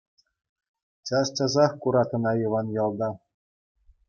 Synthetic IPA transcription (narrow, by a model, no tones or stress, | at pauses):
t͡ɕɑst͡ɕɑzɑχkuɾɑt̪ɤ̆nɑjɤ̆ʋɑnjɑlˠd̪ɑ